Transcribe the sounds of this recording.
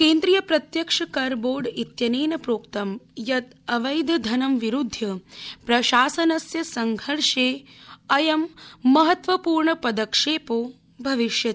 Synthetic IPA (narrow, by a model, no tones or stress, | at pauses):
keːnd̪ɾijɐpɾɐt̪jɐkʂɐkɐɾboːɖit̪jɐneːnɐpɾoːkt̪ɐmjɐt̪ɐʋɐjd̪ʱɐd̪ʱɐnɐmʋiɾud̪ʱːjɐpɾɐʃaːsɐnɐsjɐsɐŋɡʱɐɭʂeːɐjɐmːɐɦɐt̪ʋɐpuːɾɳɐpɐd̪ɐkʂeːpoː | bʱɐʋiʃjɐt̪